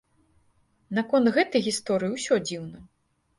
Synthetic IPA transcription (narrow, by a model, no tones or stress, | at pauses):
nɐkɔnd̪ɣɛt̪ɐjɣʲist̪ɔɾɨjiwsʲɔd͡zʲiwnɐ